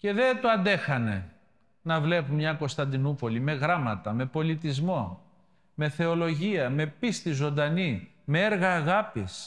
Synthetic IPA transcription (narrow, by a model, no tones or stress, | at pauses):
ce̞ðet̪uɐnd̪e̞xɐne̞̰ | nɐvle̞pumɲɐko̞st̪ɐnd̪inupo̞lime̞ɣɾɐmɐt̪ɐme̞po̞lit̪izmo̞ | me̞θe̞o̞lo̞ʝiɐme̞pist̪izo̞nd̪ɐni | meeɾɣɐːɣɐpis